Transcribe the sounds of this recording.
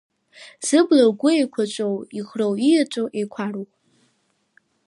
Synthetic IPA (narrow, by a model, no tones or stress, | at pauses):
z̥ɨblaɡʷʊejkʷʰat͡ʃʷʼowiχrowijat͡ʃʷʼowʔejkʷʰaro